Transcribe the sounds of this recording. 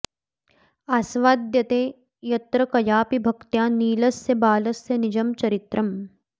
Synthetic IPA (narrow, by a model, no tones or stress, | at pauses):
aːsʋaːd̪jɐt̪eː | jɐt̪ɾɐkɐjaːpibʱɐkt̪jaːniːlɐsjɐbaːlɐsjɐnid͡ʒɐmt͡ʃɐɾit̪ɾʔɐm